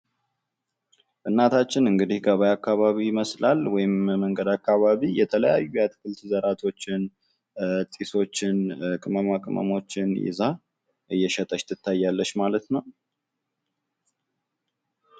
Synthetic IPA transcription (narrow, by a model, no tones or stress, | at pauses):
ʔɨnːat̪ʰat͡ʃːɪnɨŋɡɨd̪ihɡəβajakːaβaβiɪməslalwɔjɪmməŋɡəd̪akʰːaβaβijɛt̪ʰələja̰jːujat̪ʰɨkʰɨlt̪zəɾat̪ʰo̞t͡ʃːɪn | t̪ʼiso̞t͡ʃːɪnkʼɨməmakʼmə̰mo̞t͡ʃːɪnjɪ̰za | ʔɨjːɛʃɛt̪ʼəʃt̪ʰɨt̪ʰːajːalːəʃmalət̪nəw